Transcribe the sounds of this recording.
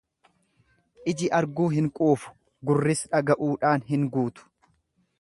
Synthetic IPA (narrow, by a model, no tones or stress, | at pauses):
ʔɪd͡ʒɪʔɐɾɡuːɦɪŋkʼuːfʊ̥ | ɡʊrːɪsᶑɐɡɐʔuːᶑaːnɦɪŋɡuːt̪ʊ̥